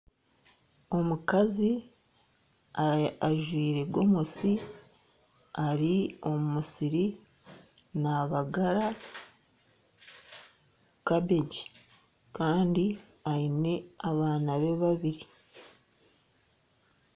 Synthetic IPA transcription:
o̞mukazi | aaʒwiːɾe̞ɡo̞musi | aɾio̞mumusiɾi | naβaɡaɾa | kabe̞ɟi̥ | kaːndi | aine̞aβaːnaβe̞βaβiɾi

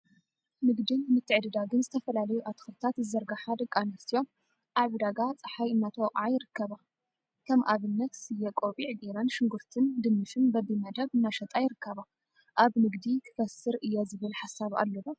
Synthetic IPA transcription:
nɨɡd̪inmɨt̪ʰːɨʕd̪ɨd̪aɡɨnzɨt̪ʰɐfɐlalɐjuʔat̪xɨɾt̪ʰat̪zɨzɐɾɡaħad̪ɐkʼːanɐst̪ʰijo̞m | ʔaββɨd̪aɡat͡sʼɨħajɨnːat̪ʰowʔʼʕajɪɾɨkːɐβa | kʰɐmʔaβɨnːɐt̪sɨjɛkʼoβʼiʕɡ̪iɾɐnʃɨŋɡuɾt̪ʰɨnd̪ɨmːɨʃɨnbɐbimɐd̪ɐβɨnːaʃɐt̪ʼajɪɾɨkʰːɐβa | ʔaβnɨɡd̪ikʰɨ̥fɐsɨɾʔɨjːozɨβɨlħasaβa̰lːɐβo

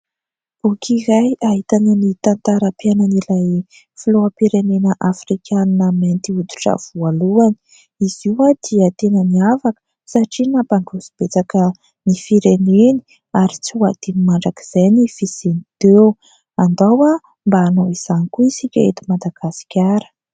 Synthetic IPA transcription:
b̥ukʰiɾajaɦit̪ananit̪ant̪aɾapjananilaj | filoapiɾenenəʔafrikʰʲaninəment̪iud̪u̥ʈ͡ʂə̰v̥ualuani̥ | iz̥iwad̪̥iət̪enəniavakə̥ | saʈ͡ʂinapaɳɖ͡ʐuzib̥et͡sakə | nifiɾeneni̥ | aɾit͡siwad̪̥inimaɳɖ͡ʐakiz̥ajnifiz̥enid̪ew | and̪awa | mbaːnoiz̥anikuisikʲaḛt̪imad̪aɡ̥asi̥kʲaɾə̥

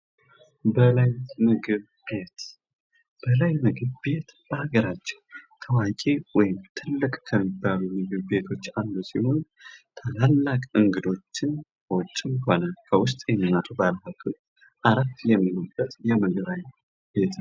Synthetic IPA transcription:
bəlajmɨɡɨβ | be̞t̪ | b̥əlajmɨɡɨβbe̞t̪b̥əhaɡəɾat͡ʃːɛ̥wt̪ʰəwakʼewɔjɪmt̪ʰɨlːɨkʼkʰəmːibːalumɨɡɨβbe̞t̪ʰo̞t͡ʃːand̪usiho̞n | t̪ʰalalːakʼɨŋɡɨd̪o̞t͡ʃːɪnkʰəwɔt͡ʃʼːɪnhonakʰəwʊs̬t̪ʼjɛɲːənat̪ʰubalhat̪ʰot͡ʃː | ʔaɾat̪ːjɛmːilubːət̪ʼjɛmɨɡɨβaj | be̞t̪ʰ

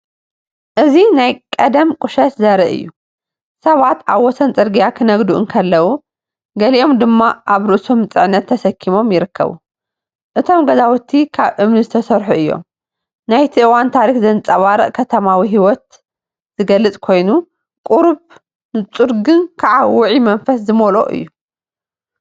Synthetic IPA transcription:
ʔɨzinajkʼɐd̪ɐmkʼʊʃɐt̪zɐɾɐʔɨ̰jːu | sɐβat̪ʰʔaβwɔsʰɐnt͡sʼɨɾɡijakʰɨnɐɡd̪uʔɨnkʰɐlːɐwu | ɡɐliʔo̞md̪ɨmːaʔaβɾɨʔso̞mɨt͡sʼɨʕnːɐt̪ʰːɐsɐkʰːimo̞mjɪɾɨkʰːɐ̰βṵ | ʔɨt̪ʰo̞mɡɐzawɔt̪ʰːikʰaβʔɨmnɨzɨt̪ʰɐsɐɾħuʔɨjːo̰m | najt̪ʰiʔɨwant̪ʰaɾixzɐnɨt͡sʼɐβaɾɐ̰ʔkʰɐt̪ʰɐmawiɦiwɔt̪̚ | z̥ɨɡɐlːɨt͡sʼkʰo̞jnu | kʼuɾβ | nɨt͡sʼuɾɡɨnkʰaʕawʊʕimɐnfɐszɨmolo̰ʔɨ̰jːu

